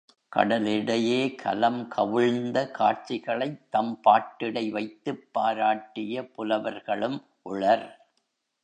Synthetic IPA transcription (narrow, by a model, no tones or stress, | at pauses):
kɐ̰ɽɐlɪɽɐjeːkʰɐ̰lɐmkʰɐʋɪɻnd̪ɐkʰaːɾt͡ʃːɪɣɐɭɐɪt̪ːɐmpaːʈːɪɽɐɪʋɐɪt̪ːɯpːaːɾaːʈːɪjɐpʊlɐʋɐɾɣɐɭɯm | ʔʊɭɐɾ